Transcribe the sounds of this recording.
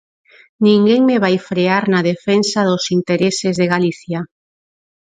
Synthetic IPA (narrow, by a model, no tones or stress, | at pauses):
nĩŋɡeŋmeβajfɾeaɾnaðefensaðʊsint̪eɾesɪzðeɣaliθja